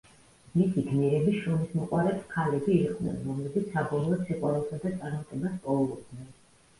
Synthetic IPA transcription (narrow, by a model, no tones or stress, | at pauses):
misiɡnɛɾɛbiʃunismɔqʼwaɾɛpskʰalɛbiːχʼnɛ̰nɾɔmlɛbit̪sʰsabɔlˠɔːd̪siqʼwaɾɛbsad̪at̪sʼaɾmat̪ʼɛbaspʼɔɔlˠɔbd̪nɛn